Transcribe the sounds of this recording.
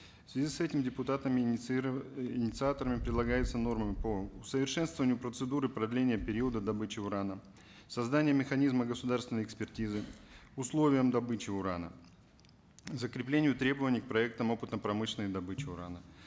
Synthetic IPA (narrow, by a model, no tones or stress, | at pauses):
fsvʲɪzʲisɛtʲɪmdʲɪpʊt̪at̪əmʲɪ | ɪnʲɪt̪sɨat̪əɾəmʲɪpɾʲɪd̪lˠɐɡajɪt̪səno̞rməmʲɪpəʊsəvʲɪrʂɛnst̪vəvənʲɪjʊpɾət̪sɨd̪uɾɨpɾɐd̪lʲenʲɪjəpʲɪɾʲiəd̪əd̪ɐbɨt͡ɕɪʊɾanə | sɐzd̪anʲɪjəmʲɪxɐnʲizməɡəsʊd̪arst̪vʲɪnəjɪkspʲɪrtʲizɨʊslˠovʲɪjəmd̪ɐbɨt͡ɕɪʊɾanə | zəkɾʲɪplʲenʲɪjʊt̪ɾʲe̞bəvənʲɪjk̚pɾɐɛk̚t̪əmo̞pɨ̥t̪nəpɾɐmɨʂlʲɪnəd̪ɐbɨt͡ɕɪʊɾa̰nə